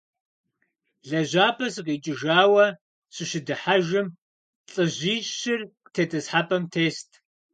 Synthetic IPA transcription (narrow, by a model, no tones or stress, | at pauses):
ɮɐʑaːpʰɐsɨqiːt͡ʃʼɪʒaːwɐ | ɕɪʃɪdɨħaʒɪm | ɬʼɨʑiːɕɪrqtʰeːtʰɐsħaːpʼɐmtʰeːstʰ